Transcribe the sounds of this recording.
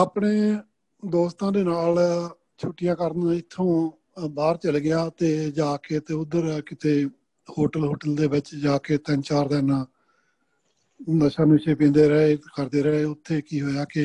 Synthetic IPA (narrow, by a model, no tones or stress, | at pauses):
əpɽeː | d̪oːst̪ãːd̪eːnaːl | t͡ʃʰuʈɪjãːkəɾnãːɪt̪ʰːõː | baːɾt͡ʃəlɡɪjaːt̪eːd͡ʒaːkeːt̪eːʊd̪əɾkɪt̪ʰeː | hoːʈəlɦoːʈəld̪eːʋɪt͡ʃd͡ʒaːkeːt̪ɛnt͡ʃaːɾd̪ɛːnãː | d̪əʃãːnũːʃeːpẽːd̪eːɾəɦeːkəɾd̪eːɾəeːʊt̪ʰːeːkiːɦoːjaːkɪ